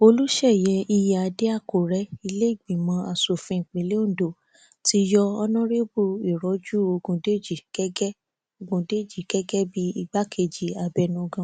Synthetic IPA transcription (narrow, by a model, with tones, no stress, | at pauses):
o˧lu˦ʃɛ˦˨jɛ˧˦i˧ja˨a˨˧˦de˦a˦˨ko˨ɾɛ˦i˧le˦i˦˨ɡ͡bĩ˨mã˨˦a˧˨so˨fĩ˧˨k͡pẽ˨le˨˦o˦˨do˨ | ti˧˦jɔ˧ɔ˧nã˦ɾe˦bu˧i˨ɾɔ˨˦d͡ʒu˦o˧ɡũ˧de˦d͡ʒi˦˨kɛ˦ɡɛ˦ | o˧ɡũ˧de˦˨d͡ʒi˦˨ɡ̥ɛ˦ɡɛ˦bi˦i˧ɡ͡ba˦kʰe˧d͡ʒi˨a˨bɛ˧nũ˧ɡã˧˦